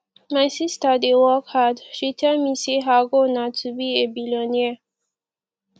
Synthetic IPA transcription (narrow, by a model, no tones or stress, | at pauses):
masist̪ad̪ewɔkhad̪ʃit̪ʰamiseɦaɡonat͡sʰubiebilonie